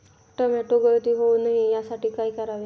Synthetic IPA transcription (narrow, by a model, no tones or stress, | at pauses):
ʈəmɛʈoɡəɾt̪iːɦounaɦijasaʈiːkaikəɾaʋe